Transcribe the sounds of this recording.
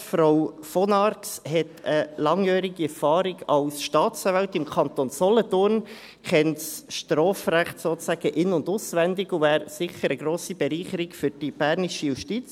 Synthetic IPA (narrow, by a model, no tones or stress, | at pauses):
fɾaw | fɔnɑɾkshɛt̪əlɑŋjœːɾiɡiɛɾfɑːɾiɡɑwsʃtɑːt͡sɑvɛʊtɪmkʰɑnt̪onsɔlətʊɾn | kʰɛntsʃtɾɔːfɾæχtsoːt͡sæɡ̥əʔɪnːʊndʊsʋænd̪ɪɡʊvæːɾsɪχəɾəɡɾoːsib̥ɛɾiːχəɾikfʏɾd̥ib̥æːɾniʃəjuʃtit͡s